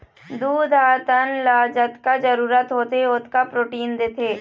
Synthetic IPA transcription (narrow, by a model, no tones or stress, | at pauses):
d̪uːd̪ʱaːt̪ənlaːd͡ʒət̪kad͡ʒəɾuːɾət̪ɦoːt̪eʊt̪kapɾoːʈiːnd̪eːt̪ʰeː